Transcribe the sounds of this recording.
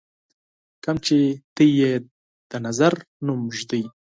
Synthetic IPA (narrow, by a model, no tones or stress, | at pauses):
kamt͡ʃet̪əje | d̪̥ənazaɾ | numʒd̪əj